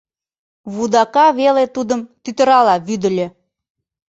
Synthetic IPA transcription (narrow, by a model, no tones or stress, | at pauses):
βud̪ɑkɑβelet̪ud̪əmt̪yt̪ə̆ɾɑlɑβyd̪ə̆lʲĕ